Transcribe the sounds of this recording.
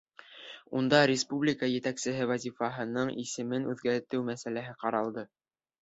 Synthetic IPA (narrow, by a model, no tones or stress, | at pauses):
und̪ɑɾʲɪspublʲɪkəjɘ̆t̪æksɘ̆ɦɘvɑzʲifɑɦɤ̆nɤɴʔisɘ̆mɘnʉðɡæɾt̪ɘwmæsælæɦɘqɑɾɑlˠd̪ɤ